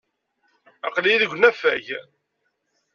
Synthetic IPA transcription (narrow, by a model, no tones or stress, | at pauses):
ɑqliðəɡʷnæfæ̰ʝ